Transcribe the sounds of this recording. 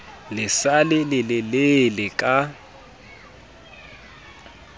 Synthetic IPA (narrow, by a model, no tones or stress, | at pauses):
lɪsalɪlɪlɪlɪlɪkʼa